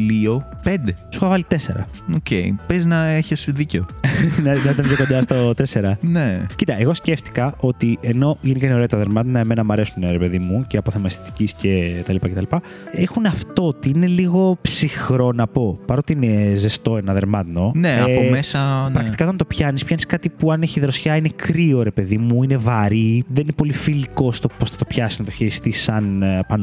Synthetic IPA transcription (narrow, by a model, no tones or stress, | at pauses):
liopend̪esuxɐvɐlit̪ese̞̰ɾɐ̰ | oceipeznɐeçesðiceonɐɐit̪ɐmpçokond̪ɐst̪ot̪e̞se̞ɾɐnecit̪ɐeɣo̞sceft̪i̥kɐʔo̞t̪ie̞no̞ʝenikɐineɾet̪ɐðeɾmɐt̪nɐeme̞nɐmɐɾe̞suneɾepe̞ðimuceɐpoθemɐst̪i̥t̪i̥cisce̞t̪ɐlipɐkcet̪ɐlipɐ | exunɐft̪o̞t̪iine̞liɣo̞psixɾo̞nɐpo̞pɐɾo̞t̪iinezest̪o̞e̞nɐðe̞ɾmɐt̪no̞neɐmesɐpɾɐkt̪ikɐtoɐnt̪o̞pçɐnispçɐniskɐt̪ipuɐne̞çiðɾosçɐinekɾio̞ɾe̞pe̞ðimuine̞vɐɾiðeninepo̞lifiliko̞st̪o̞posθɐ̥t̪o̞pçɐsiznɐt̪oçeɾist̪isɐnpɐn